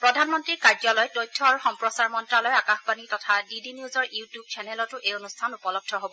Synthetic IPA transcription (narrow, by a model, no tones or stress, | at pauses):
pɹɔdʱanmɔntɹikaɹzɔlɔjtojtʰːɔaɹxɔmpɹɔsaɹmɔntɹalɔjakaxbanitɔtʰadidiniuzɔɹutjub̚t͡ʃʰɛnɛlɔtʊʔejonustʰanupɔlɔb̚dʰʱɔɦobɔ